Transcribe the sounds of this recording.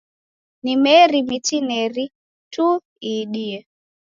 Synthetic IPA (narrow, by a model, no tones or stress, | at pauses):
nimɛɾimitinɛɾi | tu | iɗiɛ